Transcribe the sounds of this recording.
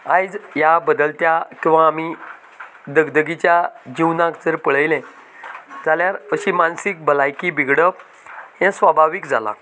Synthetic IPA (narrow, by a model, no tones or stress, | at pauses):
ajd͡zjabəd̪əlt̪jakĩw̃ʋaːmi | d̪əɡd̪əɡit͡ɕjad͡ʑiwnãkd͡zəɾpəɭəjlɛ̃ | d͡zaljaɾəɕiːmansik̚bəlajkibiɡɽəp | ɦɛ̃sʋabʱaʋikd͡zala̰